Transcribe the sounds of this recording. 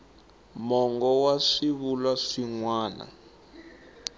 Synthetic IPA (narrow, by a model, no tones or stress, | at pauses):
mɔŋɡɔwaʂiβulwaʂiŋwaːna̰